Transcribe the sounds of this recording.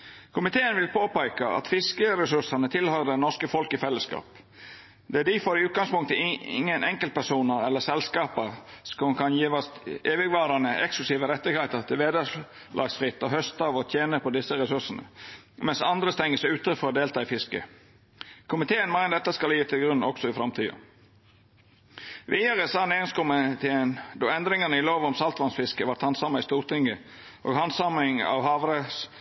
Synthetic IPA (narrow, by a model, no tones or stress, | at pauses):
kʰʊmɪt̪ʰeːənʋɪlpʰoːpæɪkɑɑ̰t̪fɪskəɾɛsʉʂənət̪ʰɪlhœʏd̪ɛnɔskəfɔlkɪfɛlːəskɑ̰ːp | d̪ɛæɖ̪ifɔɾɪʉːt̪̚ɡɑŋspʊŋk̚t̪əɪɪ̰ŋːənʔɛŋkəlt̪̚pʰæsuːnəɾɛlːəsɛlskɑːpəɾsɔnkʰɑnjiːʋɔst̪eːʋɪɡʋɑːɾɑnəʔɛksk̪ʉsiːʋəɾɛt̪ːɪɡheɪt̪əɾt̪ʰɪlʋeːd̪ə | lʔɑ̰ːɡsfɾɪt̪ːɔɦœst̪ɑːʋɔt̪ʰjeːnəpʰɔd̪ɪsːəɾɛsʉʂənə̰ | mɛnsɑnd̪ɾəst̪ɛŋəsʉːt̪əfɔɾɔd̪eːlt̪ʰɑːifɪskə̰ | kʰʊmɪt̪ʰeːənmæɪnəd̪ɛt̪ːəskɑljiːt̪ʰɪlɡɾʉnɔksɔɪfɾɑmt̪ʰiːo̰ | ʋiːɑɾəsɑːneːɡəskʊmɪt̪ʰeːənd̪ɔɛnd̪ɾɪŋɑnəɪloːʋɔmsɑlt̪ʋɑnsfɪskəʋɑɾt̪hɑnsɑmːɑɪst̪uːɾt̪ʰɪŋɡə | ʔo̰ːɡɦɑnsɑmɪŋɑ̰ʋɦɑːʋɾəs